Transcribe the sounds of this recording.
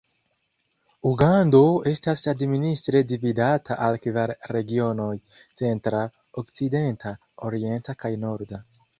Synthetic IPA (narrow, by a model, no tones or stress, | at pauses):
uɡando̞e̞stasadministɾe̞dividatʰaʔalkivaɾɾe̞ɡio̞no̞j | t͡se̞ntɾa | okt͡side̞ntʰa | oɾie̞ntakajno̞ɾda